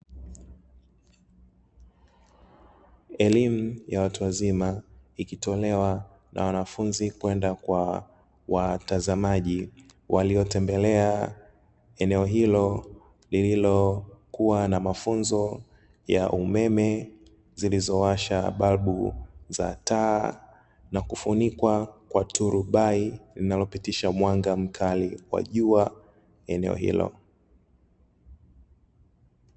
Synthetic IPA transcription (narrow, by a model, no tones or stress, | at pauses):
ɛlim̩jawatuwazimaikitɔlɛwa | nʔa̰wanafunzikwɛndakwa | watazamaʄi | wʔaliɔtɛmbɛlɛa | ɛnɛɔɦilɔ | lililɔkuwanamafunzɔ | jaʔumɛmɛ | zilizɔwaʃaɓalɓuza̰taː | nakufunikwakwatʰuɾuɓailinalɔpitiʃamwaŋɡam̩kʰaliwa̰ʄua | ɛnɛɔ̰hḭlɔ̰